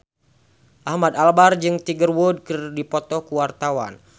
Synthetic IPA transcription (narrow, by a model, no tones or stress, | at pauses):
ʔahmad̪albard͡ʒɨŋt̪iɡərwud̚kɨrdipɔt̪ɔkuwart̪awa̰n